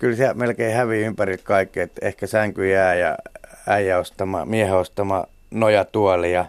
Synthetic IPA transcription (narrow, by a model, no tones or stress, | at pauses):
kylsiæmelkeihæʋiympærilt̪kɑikːiet̪ḛhkæsæŋkyjæːjɑ̰æijæost̪ɑmɑ̰mieheost̪ɑmɑ̰ | nojɑt̪uɑlijɑ